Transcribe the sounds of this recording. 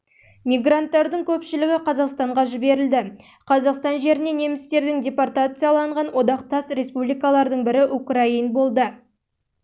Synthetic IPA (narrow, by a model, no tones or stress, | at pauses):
mijɡrant̪ːɑɾd̪əɴkʲʰɵpʃɪlɪɡʲɪqʰɑzɑqst̪ɑɴʁɑʒɪbe̞ɾɪld̪ɪ | qʰɑzɑqst̪ɑnʒe̞ɾɪnene̞mɪst̪e̞ɾd̪ɪŋdʲe̞part̪at̪sɨjalˠɑɴʁɑnwo̞d̪ɑq̚t̪ɑst̪ɾe̞spublijkɑlˠɑɾd̪əɴbɪɾɪʔukrainbo̞lˠd̪ə